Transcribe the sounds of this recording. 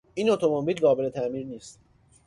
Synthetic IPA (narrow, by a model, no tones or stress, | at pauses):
iːnot̪ʰo̞mobiːlɡɒːbelet̪ʰæmiːɾniːst̪